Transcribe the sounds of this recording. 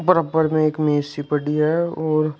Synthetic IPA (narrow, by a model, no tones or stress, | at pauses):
pəɾəpːəɾmẽeːkmeːsipɐɽiɦɛɔːɾ